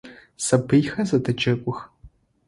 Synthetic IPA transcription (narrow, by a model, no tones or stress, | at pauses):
sɐbɨjxɐzɐdɐd͡ʒɐkʷʼʊx